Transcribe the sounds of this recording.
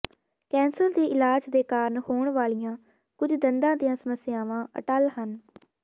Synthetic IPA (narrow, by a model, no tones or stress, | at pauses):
kɛ̃ːnsəld̪eːʔɪlaːd͡ʒd̪eːkaːɾnhoːɳʋaːɭijãː | kʊd͡ʒd̪ənd̪ãːd̪ijãːsəməsɪjaːʋãːʔə̰ʈəlhən